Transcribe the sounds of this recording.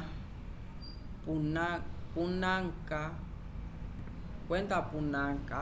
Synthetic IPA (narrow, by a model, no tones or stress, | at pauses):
punapunaŋka | kwent̪apunaŋka